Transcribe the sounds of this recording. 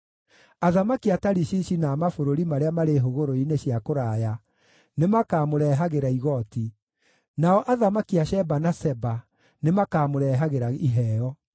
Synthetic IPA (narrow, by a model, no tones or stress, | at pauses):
aðamakiataɾiɕiɕinaːmafoɾoɾimaɾeamaɾeɦoɣoɾoineɕiakoɾaːja | nemakaːmoɾɛɦaɣeɾaiɣɔti | naɔʔaðamakiaɕɛbanasɛba | nemakaːmoɾɛɦaɣeɾaiɦɛːɔ